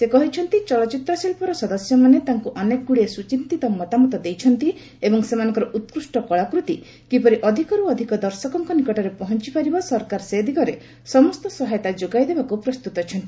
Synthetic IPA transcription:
sekɔɦit͡ʃʰɔnt̪it͡ʃɔlɔt͡ʃit̪ɾɔsilpɔɾɔsɔd̪ɔsjɔmanet̪aŋkuʔɔnekɡuɽiesut͡ʃint̪it̪ɔmɔt̪amɔt̪ɔd̪ejt͡ʃʰɔnt̪i | ebɔŋsemanɔ̃ŋkɔɾɔʔut̪̚kɾusʈɔkɔɭakɾut̪i | kipɔɾiʔɔd̪ʱikɔɾuɔd̪ʱikɔd̪ɔɾsɔkɔŋkɔnikɔʈɔɾepɔɦɔnt͡ʃipaɾibɔsɔɾkaɾsed̪ʱikɔɾe | sɔmɔst̪ɔsɔɦajt̪ad͡ʒoɡajd̪ebakupɾɔst̪ut̪ɔt͡ʃʰɔnt̪i

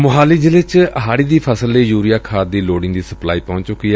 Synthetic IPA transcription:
mʊɦaːliːd͡ʒɪlɪt͡ʃəɦaːɽiːd̪iːpʰəsəlːeːjuːɾijaːkʰaːd̪iːloːɖɪŋd̪iːsəplaːiːpɔ̃ːɲt͡ʃt͡ʃʊkːiːɛ

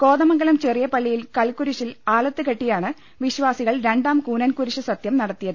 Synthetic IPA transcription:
ko̞ːðɐmɐŋɡɐlɐmt͡ɕerijɐpɐɭːijilkɐlkuɾuɕilaːlɐt̪ːɨkɐʈːijaːɳɨ | ʋiɕʋaːsiɣɐɭɾe̞ɳɖaːmkuːnɐnkuɾuɕɐsɐt̪jɐmnɐɽɐt̪ːijɐð

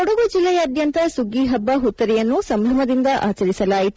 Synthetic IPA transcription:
ɔɽɐɡud͡ʒilːɛjɐːd̪jɐnt̪ɐsuɡiɦɐbːɐɦut̪ːɐɾɛjɐnːusɐmbʱɐmɐd̪ind̪ɐʔaːt͡ʃɐɾisɐlaːjit̪

